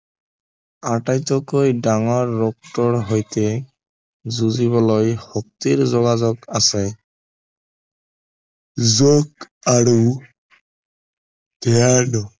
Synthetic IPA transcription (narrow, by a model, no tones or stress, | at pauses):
aʈajtɔkojdaŋɔɹːɔk̚tɔɹɦojt̪ɛ | zuziβɔlojhɔk̚t̪iɹzɔɡazɔkasɛ | zok | aɹu | d̪̥ɛanɔ